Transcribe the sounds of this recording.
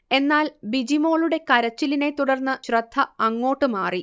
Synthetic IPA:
e̞nːaːlbid͡ʑimo̞ːɭuɽe̞kɐɾɐt͡ɕːiline̞t̪uɽɐrnːɐɕrɐd̪ʰʱːɐɐŋːo̞ːʈːɨmaːri

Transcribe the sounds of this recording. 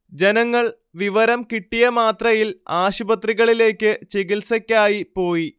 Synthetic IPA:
d͡ʑenɐŋːɐɭ | ʋiʋɐɾɐmkiʈːijɐmaːt̪rɐjilaːɕubɐt̪riɣɐɭile̞ːkʲːɨt͡ɕeɣilsɐkʲːaːjipo̞ːji

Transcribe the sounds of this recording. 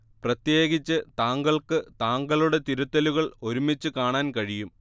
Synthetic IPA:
prɐt̪je̞ːɣit͡ɕːɨt̪aːŋɡɐɭkɨt̪aːŋɡɐɭuɽe̞t̪iɾut̪ːɐluɣɐɭo̞ɾumit͡ɕːɨkaːɳaːnkɐɻijum

